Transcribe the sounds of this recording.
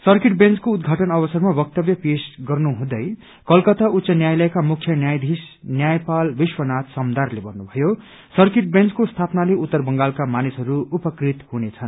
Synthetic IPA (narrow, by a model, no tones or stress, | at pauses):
sʌrkeʈbẽnt͡skoud̪ɡʱaʈʌnʌβʌsʌrmabʌk̚t̪ʌbjʌpesɡʌrnuɦũd̪ʌj | kʌlkʌt̪aut̪sʌnjajlʌekamukʰjʌnjajd̪ʱis | njajpalbiswʌnat̪sʌmd̪arlebʌrnubʱʌjo | sʌrkeʈ̚bẽnt͡skost̪ʰapnaleʔut̪ːʌrbʌŋɡalkamanisʌɾuupʌkrit̪hunet͡sʰʌn